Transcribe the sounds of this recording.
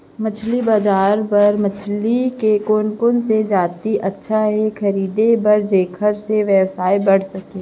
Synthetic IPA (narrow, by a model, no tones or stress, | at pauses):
mət͡ʃʰlibaːd͡ʒaːɾpɐɾmət͡ʃʰlikekoːnkʊnsed͡ʒaːt̪iʔɐtːʃʰaɦɛxʰɐɾiːd̪ebɐɾd͡ʒeːkʰəɾseʋjəwsaːibɐɽ̤sɐkẽː